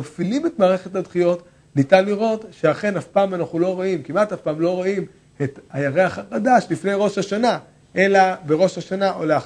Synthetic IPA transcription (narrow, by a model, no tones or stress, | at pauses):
bfilime̞tmaːʁeχetadχijo̞t | nitanliʁo̞tʃe̞aχe̞nafpaːmanaχulo̞ʁoimkimatafpaːmlo̞ʁoim | et̪hajaʁeaχaχad̪aʃlifne̞jʁo̞ʃhaʃana | ʔe̞labe̞ʁo̞ʃhaʃanaʔoleaχ